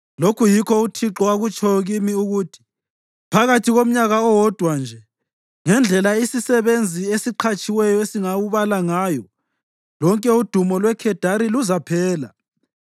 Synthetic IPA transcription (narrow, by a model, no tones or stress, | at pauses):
lokʰujikʰɔutʰiǁɔaɣut͡ʃʰʼɔɣimiuɣuːtʰi̥ | pʰaɣatʰiɣom̩ɲaɣaɔwɔd̥ʱwand͡ʒʱɛ | ŋɛnd͡ɮʱɛlaisisɛβend͡zʱiesiǃʰat͡ʃʼiwɛjɔesiŋawuβalaŋaːjɔ | lɔŋkʼɛud̥ʱumɔlwɛkʰɛd̥ʱaɾiluzapʰɛːla̰